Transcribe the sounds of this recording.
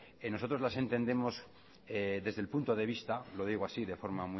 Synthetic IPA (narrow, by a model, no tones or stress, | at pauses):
eno̞so̞t̪ɾolase̞nt̪e̞nd̪e̞mo̞s | eðe̞zðe̞lpunt̪o̞ð̞e̞β̞ist̪alo̞ð̞iɣ̞oasiðe̞fo̞ɾmamw